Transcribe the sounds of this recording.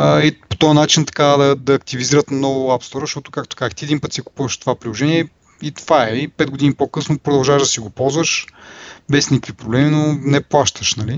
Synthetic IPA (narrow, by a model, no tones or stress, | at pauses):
əipo̥t̪ɔjənat͡ʃint̪ɐ̥kad̪ɐd̪ɐːk̚t̪iviziɾət̪nɔvʊapst̪ɔɾəzʃt̪ɔt̪ʊ̥kakt̪o̥kazəxt̪iɛd̪inpɤt̪siɛku̥puvɐʃt̪ovapɾilˠoʒɛniɛ | it̪ovaɛipɛd̪ɡod̪inipokɤsnopɾod̪ɐlˠʒavəʒd̪ɐsiɡopɔlˠzvəʃ | bɛsnikəkvipɾoblɛminonɛplˠaʃt̪əʃnɐli